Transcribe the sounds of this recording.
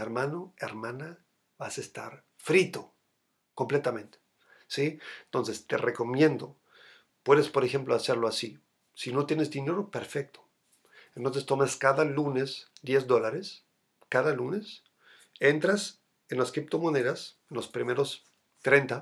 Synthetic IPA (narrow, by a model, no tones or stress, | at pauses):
eɾmãnoeɾmãna | βasest̪a̰ɾ | fɾit̪o̞ | ko̞mple̞t̪amẽ̞nt̪e̥ | sient̪o̞nse̞st̪e̞reko̞mje̞nd̪o̞ | pwe̞ðe̞spo̞ɾexe̞mploase̞ɾlo̞asi | sino̞t̪je̞ne̞zðine̞ɾo̞pe̞ɾfek̚t̪o̥ | ent̪o̞ns̬e̞st̪o̞maskaðalune̞sd̪jezðo̞laɾe̞s | kaðalune̞s | e̞nt̪ɾas | enlaskɾip̚t̪o̞mone̞ðasenlospɾime̞ɾo̞s | t̪ɾe̞nt̪a